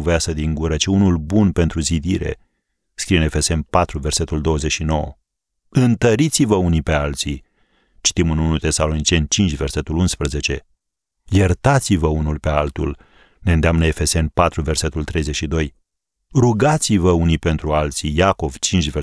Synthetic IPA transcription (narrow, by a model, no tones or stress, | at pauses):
vjasəd̪iŋɡuɾət͡ʃeunulbunpe̞nt̪ɾuzid̪iɾe̞̰ | skɾijeɨne̞fe̞se̞npat̪ɾuve̞rse̞t̪uld̪owəzet͡ʃʃino̞wə̰ | ɨnt̪əɾit̪sivəunipe̞alt̪si | t͡ʃi̥t̪imɨnunut̪e̞salo̞nit͡ʃe̞nt͡ʃint͡ʃʲve̞rse̞t̪ulunspɾəze̞t͡ʃe̞ | je̞rt̪at̪sivəunulpe̞alt̪ṵl | ne̞ɨnd̪eamnəe̞fe̞se̞npat̪ɾuve̞rse̞t̪ult̪ɾe̞jzet͡ʃʃid̪o̞j | ɾuɡat̪sivəunijpe̞nt̪ɾualt̪sijako̞v̥t͡ʃint͡ʃʲve